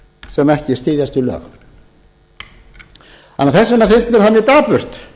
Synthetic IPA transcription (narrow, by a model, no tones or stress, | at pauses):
sɛmɛhcɪst̪iːðjast̪ʏlœ̰ːɣ | a̰nːaɾθɛsːʏnːafɪnst̪mɛɾθaðamjɛt̪aːpʏr̥t̪